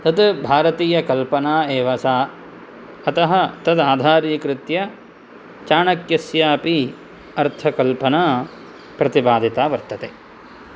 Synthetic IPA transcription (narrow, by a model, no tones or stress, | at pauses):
t̪ɐt̪bʱaːɾɐt̪iːjɐkɐlpɐnaːeːʋɐsaː | ɐt̪ɐɦɐt̪ɐd̪aːd̪ʱaːɾiːkɾɪt̪jɐ | t͡ʃaːɳɐkjɐsjaːpi | ɐɾt̪ʰɐkɐlpɐnaː | pɾɐt̪ibaːd̪ʱit̪aːʋɐɾt̪ːɐt̪eː